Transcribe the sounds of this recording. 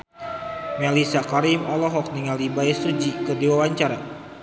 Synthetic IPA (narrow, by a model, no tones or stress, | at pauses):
mɛlisakaɾimɔlɔɦɔk̚niŋalibaɛsud͡ʒikɨrdiwawaɲt͡ʃaɾa